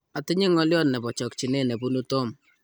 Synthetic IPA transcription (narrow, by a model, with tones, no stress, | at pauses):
a˨tɪ˦ɲi˦ŋɔ˦ljɔ˦nnɛ˨pɔ˨t͡ʃɔ˨k̚t͡ʃi˨ne˦˨nɛ˨pu˦nu˦to˦˨m